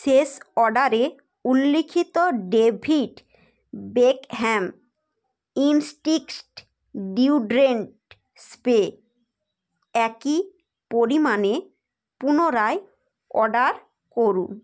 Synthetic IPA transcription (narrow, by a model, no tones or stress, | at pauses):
sesɔɖaɾe | ulːikʰit̪oɖebʱiʈ | bekɦɛm | insʈikʈ | ɖiuɖɾeɳʈ | spe | ɛki | poɾimane | punoɾae | ɔ̰ɖaɾ | koɾṵ